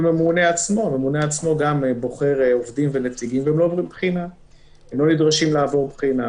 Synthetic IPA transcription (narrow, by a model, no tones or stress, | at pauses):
me̞mune̞at͡smo̞ame̞mune̞at͡smo̞ɡambo̞χe̞ʁeovdimve̞net͡siɡimveemlo̞ːvʁimbχina | emlo̞nidʁaʃimlaːvo̞ʁbχina